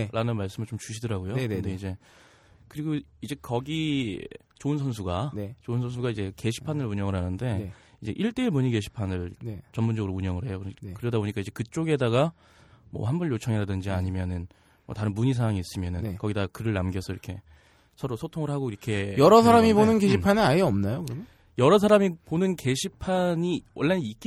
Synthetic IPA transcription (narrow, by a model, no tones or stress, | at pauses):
ɾʔanɯnmaɭs͈ɯmɯɭt͡ɕomt͡ɕuɕʰidʌɾaɡojokɯndeid͡ʑe̞ | kɯɾiɡoid͡ʑe̞kʌɡi | t͡ɕoɯnsʰʌns̬ʰuɡant͡ɕoɯnsʰʌns̬ʰuɡaid͡ʑe̞ke̞ɕʰi̥pʰanɯɭuɲʌŋɯɭɦanɯnde̞id͡ʑe̞̰ʔiɭt͈e̞ːɭmuɲike̞ɕʰi̥pʰanɯɭt͡ɕʌmund͡ʑʌɡɯɾouɲʌŋɯɭɦe̞jokkɯɾʌdaboɲik͈aid͡ʑe̞kɯt͡ɕ͈oɡe̞daɡa | mʌ̰ɦhanbʌɭjot͡ɕʰʌŋiɾadɯnd͡ʑiaɲimjʌnɯn | mʌ̰taɾɯnmuɲisʰaaŋiːs͈ɯmjʌnɯnkʌɡidakɯɾɯɭnamɡjʌsʰʌiɾʌkʰe̞ | sʰʌɾosʰotʰoŋɯɭɦaɡoiɾʌkʰe̞jʌɾʌs̬ʰaɾamibonɯnke̞ɕʰipʰanɯaeʌmnajokɯɾ | jʌɾʌsʰaɾamiponɯnke̞ɕʰipʰaɲiwʌɭːenik͈i